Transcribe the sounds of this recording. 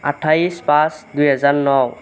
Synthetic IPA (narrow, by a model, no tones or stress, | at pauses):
atʰaispasdujɛzanːɔw